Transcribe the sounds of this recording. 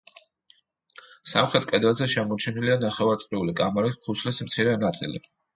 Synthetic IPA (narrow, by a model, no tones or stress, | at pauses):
sa̰mχɾɛt̪̚ʰkʼɛd̪ɾazɛʃɛmɔt͡ʃʰɛnilianaχɛvaɾt̪sʼqʼiulikʼamɛɾiskʰusʰlɛsmt̪sʰiɾɛnat̪sʼḭlḭ